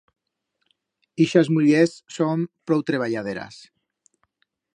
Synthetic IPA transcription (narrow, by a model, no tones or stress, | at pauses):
iʃazmuʎesːompɾɔwt̪ɾeβ̞aʎað̞eɾa̰s